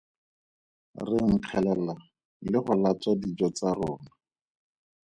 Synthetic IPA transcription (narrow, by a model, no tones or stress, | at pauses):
rɪŋ̩q͡χʰɛlɛla | lɪχʊlat͡sadid͡ʒɔt͡sarʊːna